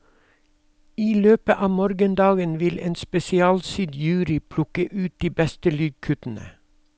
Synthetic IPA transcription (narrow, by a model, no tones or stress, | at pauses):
iːløːpəʔɑːmoːɾɡənd̪ɑːɡənʋɪlḛːnspɛsɪɑːlsyd̪jʉːɾɪpʰlʊkəʔʉːt̪̚d̪iːbɛst̪əlyːɡ̚kʰʉt̪n̩ə̰